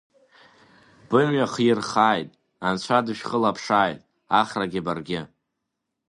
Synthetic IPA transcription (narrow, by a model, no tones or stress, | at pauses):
b̥ɨmɥaχirχaːjtʼ | ant͡ɕʷʰadɨʃᶣχəlapʰʂaːjtʼ | aχraɡʲɪbarɡʲɪ